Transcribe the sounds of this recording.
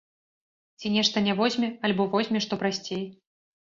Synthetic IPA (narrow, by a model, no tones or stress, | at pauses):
t͡sʲinʲɛʂt̪ɐnʲɛvɔzʲmʲɛalʲbɔvɔzʲmʲɛʂt̪ɔpɾasʲt͡sʲej